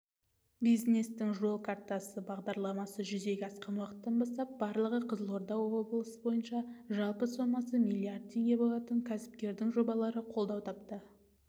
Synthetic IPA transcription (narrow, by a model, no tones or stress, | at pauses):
bijzne̞st̪ɪŋʒo̞lˠkʰart̪asəbɑʁd̪ɑɾlˠɑmɑsəʒʏze̞ɡʲɪɑsqɑnwɑqə̥t̪ːɑnbɑst̪ɑp̚bɑɾlˠəʁəqʰəzəlˠo̞ɾd̪ɑwo̞blˠəsəbo̞jənʃɑʒɑlˠpəso̞mɑsəmijlʲˠiard̪̚t̪ʰːe̞ŋɡʲe̞bo̞lˠɑt̪əŋkʲʰæsɪ̥pkʲe̞ɾd̪ɪŋʒo̞bɑlˠɑɾəqʰo̞lˠd̪ɑwt̪ʰɑpt̪ə